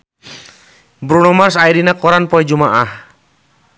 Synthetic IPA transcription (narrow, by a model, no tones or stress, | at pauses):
bɾunɔmarsaidinakɔɾanpɔɛd͡ʒumaʔah